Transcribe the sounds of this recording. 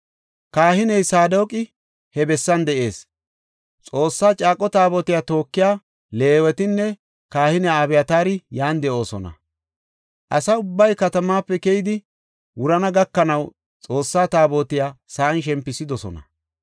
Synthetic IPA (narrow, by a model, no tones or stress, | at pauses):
kaːhɪnɛjsaːd̪o̞ːkʼɪ | hɛbɛsːɐnd̪ɛʔe̞ːs | t͡sʼo̞ːsːaːt͡ʃʼaːkʼːɔt̪aːboːt̪ɪjaːt̪o̞ːkːɪjaː | le̞ːwɛt̪ɪnːɛ | kaːhɪnɛaːbɛjɐt̪aːɾɪjaːnd̪ɛʔo̞ːsɔnɐ̰ | ʔɐsɐʊbːɐjkɐt̪ɐmaːpːɛkɛjɪd̪ɪ | wʊɾɐnɐɡɐkːɐnɐw | t͡sʼo̞ːsːaːt̪aːboːt̪ɪjaːsaːnʃ̬ɛmpːɪsɪd̪ɔsɔ̰nɐ̰